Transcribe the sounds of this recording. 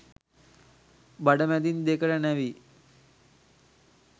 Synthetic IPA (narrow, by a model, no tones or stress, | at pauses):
baɖəmɛd̪ind̪ekəʈənɛʋi